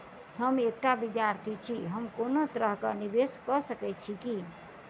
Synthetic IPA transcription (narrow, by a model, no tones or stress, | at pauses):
ɦəmek̚ʈabid̪jaɾt̪ʰit͡ʃʰiɦəmkonot̪ɾəɦkə̰nibeskəsəkɛt͡ʃʰiki